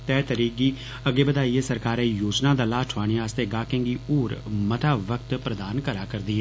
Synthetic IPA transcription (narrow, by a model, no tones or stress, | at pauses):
t̪ɛːt̪əɾiːkiː | əɡeːbəd̪aːieːsəɾkaːɾeːjoːd͡ʒnaːd̪aːlaːʈʰʊaːɽ̃iaːst̪eːɡaːkẽŋɡiːoːɾməʈʰaːʋəkt̪pɾəd̪aːnkəɾaːkəɾd̪iːɦɛː